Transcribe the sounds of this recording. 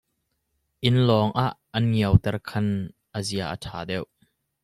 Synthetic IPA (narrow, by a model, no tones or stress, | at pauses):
ʔɪnlɔːŋʔaʔːɐnŋiəwt̪ɛrkʰɐnʔəziaʔə̰tʰaːdɛw